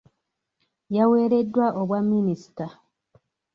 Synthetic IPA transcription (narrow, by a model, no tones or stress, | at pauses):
jawe̞ːɾe̞dːwaʔoβwamːinisi̥ta